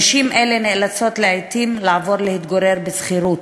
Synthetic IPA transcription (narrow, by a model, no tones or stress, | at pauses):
ʃimʔelenelat͡so̞t̪leajt̪imlaːvo̞ɾlehit̪ɡoɾe̞ɾbesχiɾut̪